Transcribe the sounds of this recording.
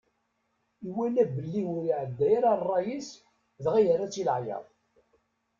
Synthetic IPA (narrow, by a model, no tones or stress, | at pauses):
iwænæbəlːiwʊɾiʕəd̪ːæjaɾarˤːɑjis | ðʁijəɾæt͡sːilʕjɑ̰ðˤ